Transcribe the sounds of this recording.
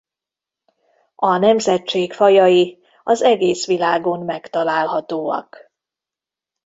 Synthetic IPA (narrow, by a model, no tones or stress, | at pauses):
ɒnɛmzɛtt͡ʃeːkfɒjɒji | ɒzɛɡeːsʋilaːɡo̞mːɛkt̪ɒlaːlɦɒt̪oːɒ̰k